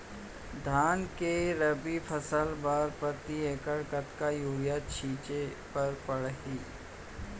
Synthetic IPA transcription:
d̪ʱaːnkeɾəbipʰəsəlbaɾpɾət̪ieːkəɽkət̪kajuːɾjat̪t͡ʃʰiːt͡ʃe | pɐɾpɐɽɦiː

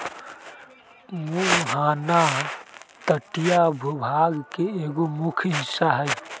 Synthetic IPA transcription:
muɦaːna | t̪əʈijabʱubʱaːɡkeeɡomukʰɦɪsaɦəj

